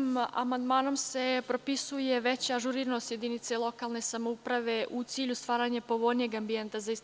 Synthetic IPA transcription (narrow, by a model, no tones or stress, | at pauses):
ma̰mand̪maːno̞msepɾo̞pisuje̞ʋe̞t͡ɕaaʒuɾiːɾnoosje̞d̪init̪selˠo̞kaːlˠne̞samoupɾaʋe̞ʔut̪siːʎust̪ʋaːɾaɲepo̞ʋo̞lnijeɡambient̪azais